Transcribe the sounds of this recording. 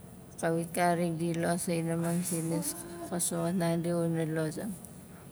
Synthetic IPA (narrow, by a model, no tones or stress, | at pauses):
kawikaɾikdilosajnamansiniskasoatnaŋdiunalosaŋ